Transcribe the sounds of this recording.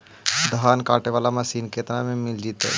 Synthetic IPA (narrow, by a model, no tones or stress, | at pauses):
d̪əɦaːnka̰ːʈeʋaːlamasiːnkeːt̪namẽmɪld͡ʒit̪ɛ̰